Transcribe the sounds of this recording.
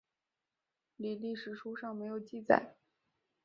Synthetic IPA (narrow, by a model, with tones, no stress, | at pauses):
li˨˩li˥˩ʂɻ̩˨˩ʈ͡ʂʰu˥ʂɑ˥˩ŋme˧˥ɪjo˨˩ʊt͡ɕi˥˩t͡sa̰˨˩˦ɪ